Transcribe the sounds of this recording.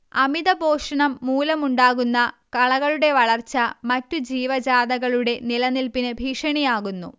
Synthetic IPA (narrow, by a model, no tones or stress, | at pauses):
ɐmiðɐboːʂɐɳɐmːuːlɐmuɳɖaːɣunːɐ | kɐɭɐɣɐɭuɽe̞ʋɐɭɐrt͡ɕːɐmɐtːud͡ʑiːʋɐd͡ʑaːd̪ɐɣɐɭuɽe̞nilɐnilpinɨbʱiːʂɐɳijaːɣunːṵ